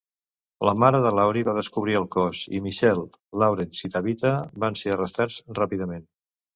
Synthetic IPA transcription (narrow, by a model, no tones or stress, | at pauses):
ləmaɾəðəlawɾiβaðəskuβɾiəlˠkɔzḭmiʃɛlˠː | awɾensit̪aβit̪əβanseərəst̪ad͡zrapiðəmen